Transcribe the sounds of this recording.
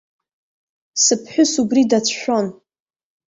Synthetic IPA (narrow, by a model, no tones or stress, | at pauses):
sɨpʰħʷᶣʊsubridat͡sʰʃʷᶣo̞n